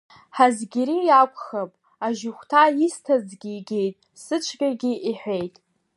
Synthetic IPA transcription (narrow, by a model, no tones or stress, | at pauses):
ħazɡʲiɾijakʷʼχapʼ | aʒɪχʷtʰaistʰazɡʲiːɡʲejtʼ | sɨt͡ʃʷʰɡʲʼaɡʲiʔiħʷe̞jtʼ